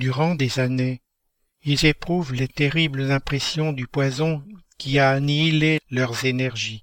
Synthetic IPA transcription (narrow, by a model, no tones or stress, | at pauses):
d̪yʁɑ̃d̪ezane | ilzepχuvlet̪eʁibləzɛ̃pχɛsjɔ̃d̪ypwazɔ̃kʲianilelœʁzenɛʁʒi